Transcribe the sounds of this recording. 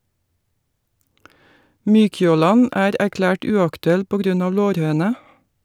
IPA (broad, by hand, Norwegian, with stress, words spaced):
ˈmyːçoːˌlɑn ˈæːɾ æɾˈklæːʈ ˈʉːɑktʉˌɛl ˈpoː ˈɡɾʉn ˈɑː ˈloːɾˌhøːnə